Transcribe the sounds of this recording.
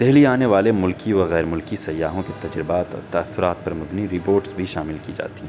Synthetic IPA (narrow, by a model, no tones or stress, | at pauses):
d̪̥ɛɦliaːneʋaːlemʊlkiʋɐɣɛːɾmʊlkisɐjːaːɦõket̪ɐd͡ʒɾɪbaːt̪ɔ̰ːɾt̪ɐəsːʊɾaːt̪̚pɐɾmɐbniɾɪpoːɾʈsbʱiʃaːmɪlkid͡ʒa̰ːt̪iɛ̃